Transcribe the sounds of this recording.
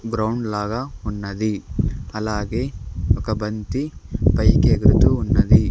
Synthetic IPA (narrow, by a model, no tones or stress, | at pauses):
ɡɾɐwɳɖlaːɡɐunːɐd̪iɐlaːɡeokɐbɐnt̪ipɐjkeɡɾut̪uunːɐd̪i